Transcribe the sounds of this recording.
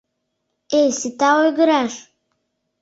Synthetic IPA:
ejsitawojɡɨɾaʂ

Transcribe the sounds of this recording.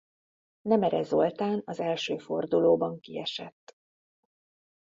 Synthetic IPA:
nɛmɛɾɛzo̞lt̪aːnɒzɛlʃøːfo̞rd̪uloːbɒŋkiɛʃɛt̪ː

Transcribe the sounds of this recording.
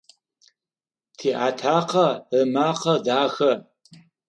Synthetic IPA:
tʰiːʔaːtʰaːqɐəmaːqɐdaːxɐ

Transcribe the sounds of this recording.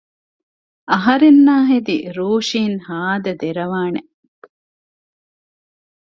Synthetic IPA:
ɐɦɐɾenːaːɦed̪iɾuːʃiːnhaːd̪ɐd̪eɾɐʋaːne

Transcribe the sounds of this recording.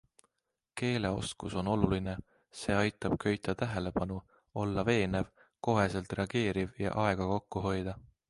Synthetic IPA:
ke̞ːle̞o̞̰skuso̞no̞luline̞ | se̞ːɑjt̪ːˑɑb̥kʰø̞jt̪ʰːˑɑt̪æɦe̞le̞pɑnu | o̞lːɑve̞ːne̞v | ko̞ɦe̞se̞lt̪re̞ɑɡ̥e̞ːɾivjɑ̰ʔɑe̞ɡ̥ɑko̞kːuɦo̞jd̪̥ɑ

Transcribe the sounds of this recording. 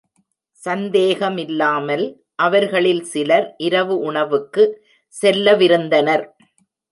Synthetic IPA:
sɐnd̪eːɣɐmɪlːaːmɐl | ʔɐʋɐɾɣɐɭɪlsɪlɐɾʔɪɾɐʋɯʔʊɳɐʋɯkːɯ | sɛlːɐʋɪɾɯnd̪ɐnɐɾ

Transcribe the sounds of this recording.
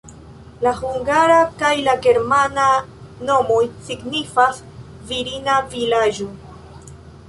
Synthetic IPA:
lahuŋɡaɾakajlaɡe̞ɾmanano̞mo̞jsiɡnifas | viɾinavilad͡ʒo

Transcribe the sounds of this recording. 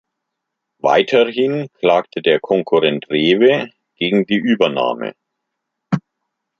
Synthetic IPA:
va̰ɪtʰɐhɪnkʰl̥aːktʰədeːɐkʰɔŋkʰuʁɛntʁeːvə | ɡ̥eːɡŋ̩diːʔyːbɐna̰ːmə̰

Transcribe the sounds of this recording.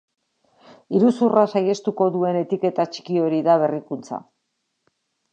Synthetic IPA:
iɾusurasaje̞st̪uko̞ðue̞ne̞t̪ike̞t̪at͡ʃi̥kio̞ɾiðaβ̞e̞rikunt͡sa̰

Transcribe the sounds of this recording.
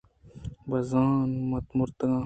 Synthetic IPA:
bɐzaːnmɐt̪muɾt̪ɐɡãː

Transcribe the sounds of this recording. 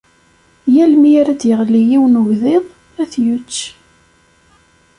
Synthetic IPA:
jælmiæɾæd̪jəʁlijiwnʊɣðɪðˤ | æθjut͡sː

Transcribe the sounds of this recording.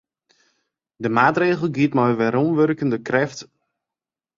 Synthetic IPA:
dəmaːtreːɣəl̩ˠɡiətmɔjʋɛɾunʋørkəndəkrɛft

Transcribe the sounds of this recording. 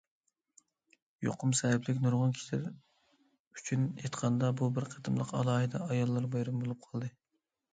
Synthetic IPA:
jo̰qʰʊmsɛɪplɪkʲnuɾʁʊnkʲʰi̥ʃɪɾ | y̥t͡ʃʰynḛjt̪qʰɑnd̪ɑbubɪɾqʰət̪ʰɨmlˠəqɑ̰lˠɑːɦɨd̪ɛɑjɑlˠːɑɾbɑjɾumbolˠup̚qʰɑlˠd̪ɨ

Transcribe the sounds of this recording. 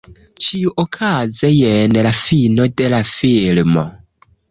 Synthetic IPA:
t͡ʃʰiuʔɔkʰazɛjɛnɛlafinɔdɛlafilmɔ

